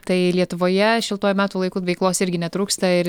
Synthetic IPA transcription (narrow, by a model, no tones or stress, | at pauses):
t̪ɐɪlʲiɛt̪ʊʋoːjɛʃʲɪlˠt̪oːjʊmʲæːt̪uːlˠɐɪkuːʋʲɛɪklˠoːsɪɾʲɡʲɪnʲɛt̪ɾuːkst̪ɐɪ